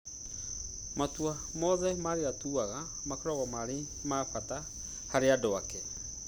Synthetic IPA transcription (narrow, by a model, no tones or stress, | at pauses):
matua | mɔðɛmaɾeatuaɣa | makeɾɔɣɔmaɾe | maːfata | haɾeadoakɛ